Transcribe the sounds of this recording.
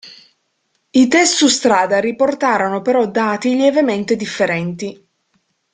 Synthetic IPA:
it̪ɛsːust̪ɾaːd̪aɾiport̪aːɾonopeɾɔd̪aːt̪iljɛvement̪ed̪ifːeɾɛnt̪i

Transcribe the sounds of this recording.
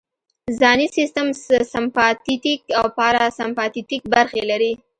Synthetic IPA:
zɑnisist̪əmsɪmpɑt̪it̪ikawpɑɾasampɑt̪it̪ik̚baɾxelaɾi

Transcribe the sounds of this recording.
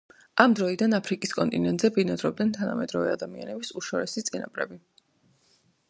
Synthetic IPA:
amd̪ɾɔid̪anapʰɾikʼiskʼɔnt̪ʼinɛnt̪ʼzɛbinad̪ɾɔb̚d̪nɛnt̪ʰana̰mɛd̪ɾɔvɛad̪amia̰nɛbisuʃɔɾɛsit̪sʼina̰pʼɾɛbi

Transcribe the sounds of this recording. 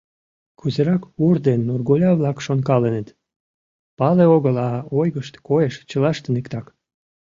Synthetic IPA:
kuzeɾɑkurd̪enːurɣolʲɑβlɑkʃonkɑlenet̪ | pɑleoɣəlɑojɣəʃt̪koeʃt͡ɕəlɑʃt̪enekt̪ɑk

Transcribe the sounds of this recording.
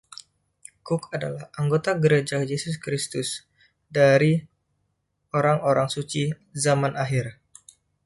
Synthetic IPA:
kʊkada̰lahʔaŋɡot̪aɡəɾed͡ʒajesʊskɾist̪ʊs | daɾi | oɾaŋoɾaŋsut͡ʃi | zamanaɦɪr

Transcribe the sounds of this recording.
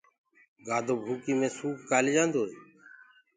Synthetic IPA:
ɡaːd̪ʱoːbʱuːkiːmẽːsuːkkaːld͡ʒãːnd̪oːɦeː

